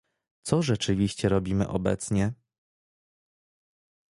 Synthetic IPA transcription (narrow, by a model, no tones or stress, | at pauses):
t̪sɔʐɛt͡ʂɘvʲiɕt͡ɕɛɾɔbʲimɘ̰ʔɔ̰bɛ̰t̪sɲɛ